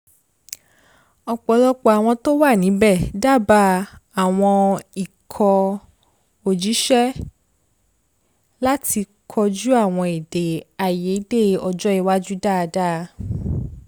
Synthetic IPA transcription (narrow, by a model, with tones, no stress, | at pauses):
ɔ˧k͡pɔ˧˦lɔ˦k͡pɔ˧a˨w̃ɔ̃˧to˦wa˦˨nĩ˨˦bɛ˦˨da˦˨ba˦a˨w̃ɔ̃˧i˨kʰɔ˧ | o˨d͡ʒi˨˦ʃɛ˦ | la˦ti˧ | kʰɔ˧d͡ʒu˦a˦˨w̃ɔ̃˧e˨de˨a˨je˨˦de˦˧ɔ˧d͡ʒɔ˦i˧wa˦d͡ʒu˦da˦˨˧da˦˧